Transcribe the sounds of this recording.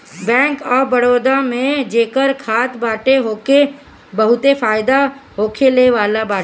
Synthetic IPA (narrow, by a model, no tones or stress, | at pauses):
bɛ̃ːŋkɔːɾbəɽoːd̪amẽd͡ʒeːkəɾkʰaːt̪baːʈeɦoːke | bɐɦʊt̪efaːɪd̪aɦoːkʰeleʋaːlabaːʈ